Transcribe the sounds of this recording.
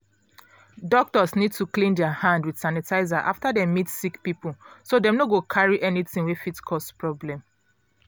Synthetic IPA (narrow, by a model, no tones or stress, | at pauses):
dɔk̚tɔsnid̚tuklĩndɛahãndwid̥sanɛtaɪzaʔa̰ftadɛmitsikpipulsodɛ̃mnoɡokʰaɹiʔɛniθĩŋwefitkʰɔspɹɔblɛ̃m